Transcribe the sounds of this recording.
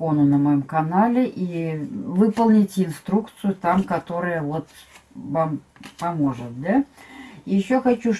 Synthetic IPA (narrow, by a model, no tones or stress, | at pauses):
o̞nʊnəmɐjomkɐnalʲɪʔivɨpəlˠnʲɪtʲɪnst̪ɾukt̪sɨjʊt̪amkɐt̪o̞ɾəjəvo̞t̪vam | pɐmo̞ʐɨt̪̚d̪a | jɪɕːoxɐt͡ɕu